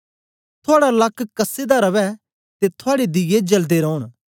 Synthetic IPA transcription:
t̪ʰʊaːɽalɐkːkɐsːed̪aɾɐʋɛ | t̪et̪ʰʊaːɽed̪ɪɡed͡ʒɐld̪eɾɔʊɽ

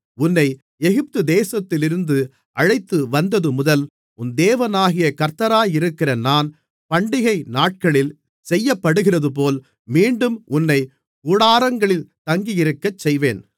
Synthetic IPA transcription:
ʊnːɐɪ | ɛɣɪp̚t̪ɯd̪eːsɐt̪ːɪlɪɾɯnd̪ɯ | ʔɐɻɐɪt̪ːɯʋɐnd̪ɐðɯmʊðɐl | ʔʊnd̪eːʋɐnaːɣɪjɐkɐɾt̪ɐɾaːjɪɾɯkːɪrɐnaːn | pɐɳɖɪɣɐɪnaːʈ̚kɐɭɪl | sɛjːɐpːɐɽɯɣɪrɐðɯp̬oːl | miːɳɖɯmʊnːɐɪ | kuːɽaːɾɐŋɡɐɭɪlt̪ɐŋɡijɪɾɯkːɐt͡ʃːɛjʋeːn

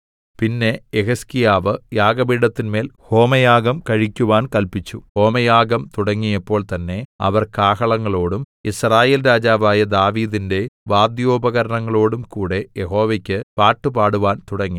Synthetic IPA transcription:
pinːe̞eɦɐskijaːʋɨjaːɡɐbiːɽɐt̪ːinme̞ːlho̞ːmɐjaːɡɐmkɐɻikʲːuʋaːnkɐlpit͡ɕːuho̞ːmɐjaːɡɐmt̪uɽɐŋːijɐpːo̞ːɭt̪ɐnːe̞ɐ̰ʋɐrkaːɦɐɭɐŋːɐɭo̞ːɽum | israːje̞ːlɾaːd͡ʑaːʋaːjɐd̪aːʋiːðinde̞ʋaːd̪joːbɐɣɐɾɐɳɐŋːɐɭo̞ːɽumkuːɽe̞jeɦo̞ːʋekʲːɨpaːʈːubaːɽuʋaːnt̪uɽɐŋːi

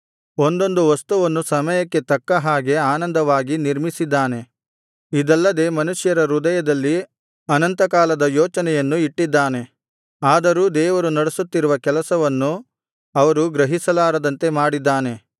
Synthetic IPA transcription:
o̞nd̪o̞nd̪uʋɐst̪uʋɐnːusɐmɐjɐkːe̞t̪ɐkːɐɦaːɡe̞aːnɐnd̪ɐʋaːɡiniɾmisid̪ːaːne̞ | id̪ɐlːɐd̪e̞ːmɐnuʂjɐɾɐɾud̪ɐjɐd̪ɐlːi | ɐnɐnt̪ɐkaːlɐd̪ɐjɔːt͡ʃɐnɛjɐnːuiʈːid̪ːaːne̞ | aːd̪ɐɾuːd̪ɛːʋɐɾunɐɽesut̪ːiɾuʋɐkɛlɐsɐʋɐnːu | ɐʋɐɾuɡɾɐɦisɐlaːɾɐd̪ɐnt̪e̞maːɽid̪ːaːne̞

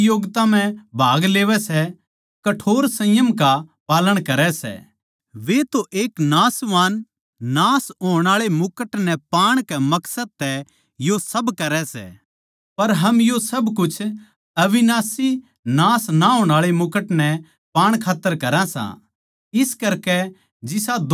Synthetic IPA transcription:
joːɡt̪ãm̤ɛ̃bʱaːɡleːʋɛsɛ | kɐʈʰoːɾsɐ̃jəmkapaːləɽ̃kɐɾɛsɛ̰ | ʋet̪oʔeːknaːsʋaːnː | aːsɦoːɽ̃aːɭemʊkəʈnɛpaːɽ̃kɛmɐksəd̪̚t̪ɛ | josɐbkɐɾɛsɛ̰ | pɐɾɦɐmjosɐbkʊt͡ʃʰ | ɐʋɪnaːsi | naːsnaɦoːɽ̃aːɭemʊkəʈnɛ | paːɽ̃kʰaːt̪ːəɾkɐɾãsã̰ | ɪskɐɾkɛ | d͡ʒɪsad̪

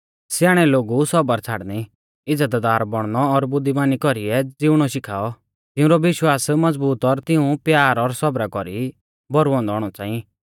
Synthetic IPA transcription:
sjaːɽ̃ɛloːɡusɔbəɾt͡sʰaːɽni | ɪd͡zad̪ad̪aːɾbɔɽ̃ñɔːɾbʊd̪ːimaːnikɔɾiɛd͡zɪʊɽ̃ɔʃɪkʰaːɔ | t̪ɪũɾɔʋɪʃwaːsmɐd͡zbuːt̪ɔɾt̪ɪũpjaːɾɔɾsɔbɾakɔɾi | bɔɾuɔ̃nd̪ɔːɽ̃ɔt͡sãːĩ

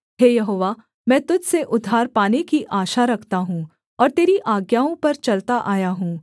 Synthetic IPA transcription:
ɦeːjɐɦoːʋa | mɛ̃ːt̪ʊd͡ʒseʔʊd̪ʱːaːɾpaːnekiʔaːʃaɾɐkʰt̪aɦũː | ɔːɾt̪eːɾiʔaːɡjaːõpɐɾt͡ʃɐlt̪aʔaːjaɦũː

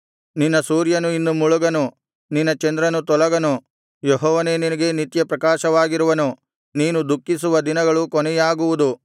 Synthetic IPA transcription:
ninːɐsuːɾjɐnuinːumuɭuɡɐnu | ninːɐt͡ʃɛnd̪ɾɐnut̪ɔlɐɡɐnu | jeɦɔːʋɐne̞ːninɐɡe̞nit̪jɐpɾɐkaːʃɐʋaːɡiɾuʋɐnu | niːnud̪ukːisuʋɐd̪inɐɡɐɭukɔnɛjaːɡuʋud̪u

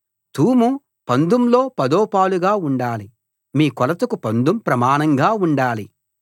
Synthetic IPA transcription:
t̪uːmu | pɐnd̪umlo̞ːpɐd̪ɔːpaːluɡaːuɳɖaːli | miːkɔlɐt̪ɐkupɐnd̪umpɾɐmaːnɐŋɡaːuɳɖaːli

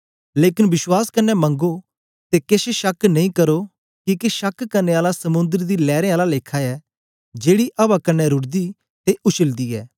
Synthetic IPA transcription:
leːkɪnbɪswaːskɐnːɛmɐ̃ŋɡo | t̪ekeːʃeʃɐknɐ̃ĩkɐɾo | kikeʃɐkkɐɾneaːlasɐmʊ̃nd̪əɾd̪ilɛːɾẽaːlaleːkʰaɛ | d͡ʒeːɽiʔɐbakɐnːɛɾʊɽd̪i | t̪eʔʊʃəld̪iɛ̰ː

